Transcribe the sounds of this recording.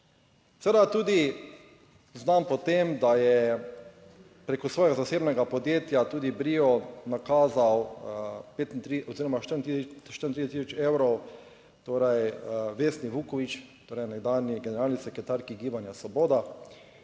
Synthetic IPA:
sɛʋed̪at̪uːd̪i | znampɔt̪emd̪ajɛ | pɾeːkɔsʋɔːjɛɡazaseːbnɛɡapɔd̪jeːt̪jat̪uːd̪ibɾiːɔnakaːzaw | peːt̪int̪ɾiɔziːɾɔmaʃt̪əɾnt̪iʃt̪əɾint̪ɾid̪ɛt̪isɔt͡ʃewɾɔw | t̪oːɾajʋeːsniʋukɔʋit͡ʃt̪oːɾɛjnɛɡd̪aːnjiɡɛnɛɾaːlnisɛkɾɛt̪aɾkiɡiːbanjasɔboːd̪a

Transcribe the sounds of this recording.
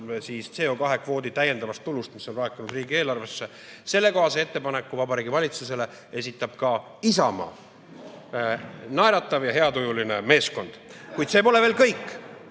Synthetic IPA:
siːst̪se̞okɑɦe̞kvo̞ːd̪it̪æje̞nd̪ɑvɑst̪ːulust̪miso̞nrɑːkːˑinud̪riːɡie̞ːlɑrve̞sːe̞ | se̞lːe̞ko̞ɦɑsee̞t̪ːe̞pɑne̞kːˑuvɑbɑɾiːɡivɑlʲit̪sus̬e̞le̞ | e̞sit̪ːˑɑb̥kɑ | isɑmɑ̰ | nɑjɾɑt̪ːˑɑvjɑɦe̞ɑt̪ujuline̞me̞ːsko̞nd̪̥kujd̪̥se̞ːpo̞le̞ve̞ːlkɤjkˑː

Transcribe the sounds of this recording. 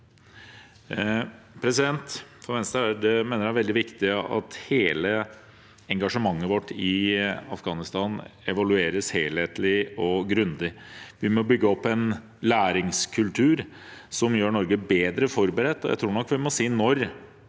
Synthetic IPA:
pʰɾɛsɪd̪ɛnt̪fɔʋɛnst̪ɑɖɛmeːnəɾæʋɛld̪ɪʋɪkt̪ɪɑ̰t̪heːlə | ɛŋɡɑʂəmɑŋːəʋɔʈːɪɑfɡɑːnɪst̪ɑːnɛʋɑlʉeːɾəsheːlheːt̪lɪɔɡɾʉnd̪ɪʋɪmɔbʏɡːəɔpːɛn | læːɾɪŋskʰʉlt̪ʰʉːɾ | sɔmjøːɳɔɾɡəbeːd̪ɾəfɔɾbəɾɛt̪ːɔjæ̰ɪt̪ʰɾuːɳɔkːʋɪmɔsiːnɔɾ

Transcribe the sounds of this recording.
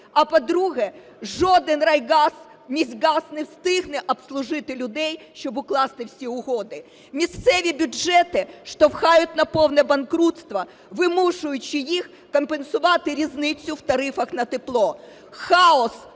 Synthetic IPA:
ɐpɔd̪ɾuɦɛ | ʒɔd̪ɪnrɐjɡɑz | mʲizʲɡɑsnɛwst̪ɪɦnɛʔɐbslˠʊʒɪt̪ɪlʲʊd̪ɛjʃt͡ʃɔbʊklˠɑst̪ɪwsʲiʊɦɔd̪ɪ | mʲist̪sɛʋʲibʲʊʒɛt̪ɪʃt̪ɔwxɑjʊtʲnɐpɔwnɛbɐnkɾut̪st̪ʋɐ | ʋɪmuʂʊjʊt͡ʃːɪjix | kɐmpensʊʋɑt̪ɪɾʲiznɪt͡sʲːʊwt̪ɐɾɪfɐxnɐt̪ɪplˠɔ | xɑɔs

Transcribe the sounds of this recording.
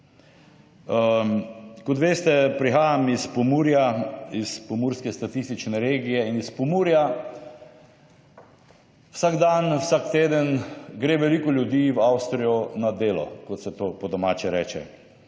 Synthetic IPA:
kɔt̪ʋeːst̪ɛpɾixaːjamispɔmuːɾjaispɔmuːɾskɛst̪at̪ist̪it͡ʃnɛɾeːɡijɛinispɔmuːɾja | wsaɡd̪anwsakt̪eːd̪ənɡɾeːʋɛliːkɔlʲjud̪iːwawst̪ɾijɔnad̪eːlɔ̰kɔt̪sɛt̪oːpɔd̪ɔmaːt͡ʃɛɾɛ̰ːt͡ʃɛ̰

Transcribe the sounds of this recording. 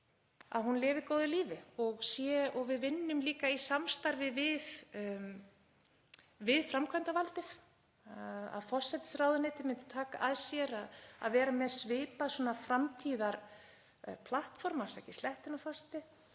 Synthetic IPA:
a̰ðɦunlɪːvɪɾkoːwðʏliːvɪɔɣsjɛɔɣvɪðvɪnːʏmliːkaisamst̪aɾvɪvɪð | vɪðfɾamkʰvaɛnt̪avalt̪ɪθ | a̰ðfɔr̥sɛt̪ɪ̥sraːwðʏnɪːt̪ɪmɪnt̪ɪ̥t̪ʰaːka̰ʔaðsjɛɾaða̰ðvɛːɾamɛðsvɪːpaðsɔnafɾamt̪ʰiːðaɾ | pʰlaht̪fɔɾmḁsacɪ̥slɛht̪ɪnafɔrsɛ̥t̪ɪ

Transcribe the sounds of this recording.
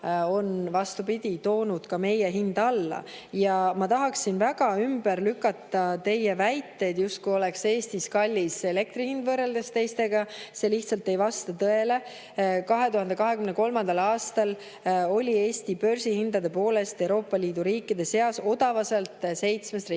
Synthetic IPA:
o̞nvɑst̪upid̪̥ʲit̪o̞ːnud̪̥kɑme̞jeɦind̪ɑlːɑ̰ | jɑmɑt̪ɑɦɑksinvæɡɑymbeɾlykːˑɑt̪ːˑɑt̪e̞jevæjt̪ːe̞jd̪̥just̪̚kujo̞lekse̞ːst̪iskɑlʲːise̞le̞k̚t̪ɾihind̪vɤrːe̞ld̪̥est̪e̞jst̪e̞ɡ̥ɑse̞liht̪sɑlt̪ːe̞jvɑst̪ɑt̪ɤe̞le̞ | kɑɦe̞t̪uhɑnd̪ekɑɦe̞kymneko̞lmɑnd̪ɑlɑːst̪ɑl | o̞lʲie̞ːsʲt̪ipø̞rsihind̪ɑd̪e̞po̞ːle̞st̪ewɾo̞ːpːˑɑliːd̪̥uɾiːkːˑid̪̥e̞se̞ɑso̞d̪ɑvɑselt̪ˑse̞jt̪smest̪ri

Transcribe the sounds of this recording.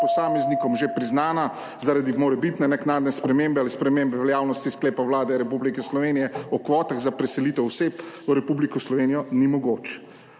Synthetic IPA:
pɔsaːmɛznikɔmʒepɾiznaːna | zaɾad̪imoːɾɛbit̪nɛnɛknaːd̪nɛspɾɛmembɛalispɾɛmeːmbɛʋɛljaːwnɔst̪iskleːpawlaːd̪ɛɾɛpublikɛslɔʋeːnijɛɔkʋɔːt̪aɣzapɾɛsɛliːt̪ɛwseːp | əɾɛpublikɔslɔʋeːnijɔnimɔɡoːt͡ʃ

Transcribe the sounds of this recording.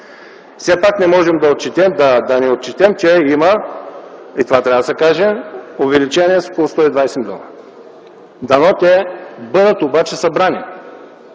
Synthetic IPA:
fsɛpaknɛmɔʒɛmd̪ɐot̪̚t͡ʃɛt̪ɛmd̪ɐd̪ɐnɛot̪̚t͡ʃɛt̪ɛmt͡ʃɛimə | it̪ovat̪ɾʲavd̪sɐkaʒɛovɛlit͡ʃɛnʲiɛsokolˠʊst̪ɔid̪vajsɛmd̪ɔ̰lˠɐ | d̪ɐnɔt̪ɛbɤd̪ət̪obat͡ʃɛsɐbɾani

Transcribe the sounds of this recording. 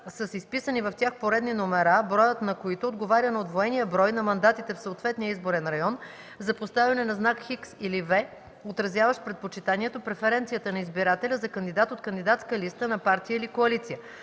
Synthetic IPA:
səsispisənivɐft̪ʲaxpoɾɛd̪ninomɛɾabɾɔjət̪nɐkoit̪oːd̪ɡovaɾʲənɐod̪voɛnijəbɾɔjnɐmɐnd̪at̪it̪ɛfsoot̪vɛt̪nijəizboɾɛnɾɐjɔn | zɐpost̪avʲɐnɛnɐznakxiksilivɛ | ot̪ɾɐzʲjavəʃpɾɛt̪̚pot͡ʃit̪aniɛt̪opɾɛfɛɾɛnt̪sijət̪ənɐizbiɾat̪ɛlʲəzɐkɐnd̪id̪at̪ot̪kənd̪id̪at̪skəlist̪ənɐpaɾt̪ijəilikoɐlit̪sijə

